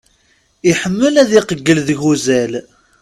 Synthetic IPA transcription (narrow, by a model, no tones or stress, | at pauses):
iħəmːəlæðiqəɡːəlðəʝuzæl